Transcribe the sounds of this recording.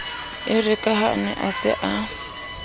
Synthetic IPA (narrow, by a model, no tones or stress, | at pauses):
ɪrɪkʼaɦaʊ̰nɛ̰ʔasɪ̰ʔa